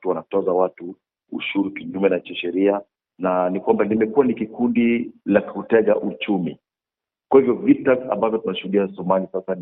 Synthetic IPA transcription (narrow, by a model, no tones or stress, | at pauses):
tuwanatɔzawatu | ṵʃuɾukiʄumɛnat͡ʃiʃɛɾia | nanikwambanimɛkuanikikundilakutɛɠa̰ʔut͡ʃumi | kwahivjɔvitaa̰mbavjɔtunaʃuhuɗiasumanisasan